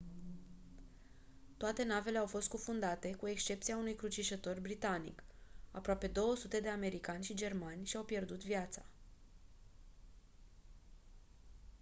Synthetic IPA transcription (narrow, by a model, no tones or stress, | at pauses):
t̪oat̪e̞nave̞le̞awfo̞st̪̚kufund̪at̪e̞kue̞kst͡ʃe̞p̚t̪sijaunujkɾut͡ʃiʃət̪o̞rbɾit̪anḭka̰pɾoape̞d̪o̞wəsut̪e̞d̪e̞ame̞ɾikanʲʃid͡ʒe̞rmanʲʃiawpje̞rd̪ut̪vjat̪sa